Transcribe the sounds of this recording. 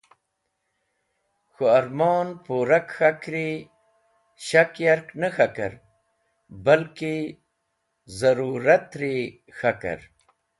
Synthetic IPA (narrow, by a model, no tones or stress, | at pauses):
xoaɾmoːnpoːɾakxakɾe | ɕakjaɾknəxaka̰ɾ | balke | zɐɾuːɾat̪ɾe | xaka̰ɾ